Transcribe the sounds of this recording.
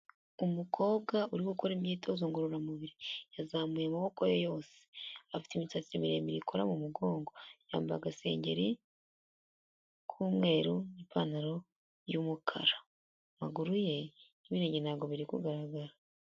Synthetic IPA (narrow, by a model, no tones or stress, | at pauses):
umukʰo̞ːβɡauɾikukoɾimjiːtozoːŋɡoɾuɾamuβiɾijazaːmujamaβo̞kojojo̞ːse̥afi̥timit͡sat͡siɾimiɾḛmiɾikʰoɾamumuɡo̞ːŋɡo̞ja̰ːmba̰ɡase̞̰ːɲɟe̞̰ɾi | kʰuːmŋe̞ːɾuipanaɾo̞ | jumukʰa̰ɾa | maɡuɾuje̞niβiɾeːɲɟenaːɡo̞βiɾikṵɡaɾaɡaɾa